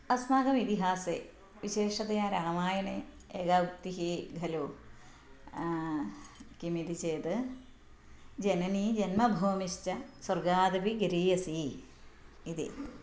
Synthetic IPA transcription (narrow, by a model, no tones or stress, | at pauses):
ɐsnaːɡɐmit̪iɦaːseː | ʋiɕeːʂɐd̪ɐjaːɾaːmaːjɐne | eɡaːkt̪iɦiɡʱɐloː | kimiɾit͡ɕeːd̪ɨ | d͡ʑenɐniːd͡ʑɐnmɐbʱoːmiʃt͡ɕɐsɐrɡaːd̪ɐbiɡɐɾiːjɐsiː | d̪ḭ